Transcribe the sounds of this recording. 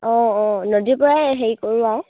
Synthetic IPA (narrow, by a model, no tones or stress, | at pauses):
ɔ̃ɔnodipɔɹaɦeɹikoɹuaʊ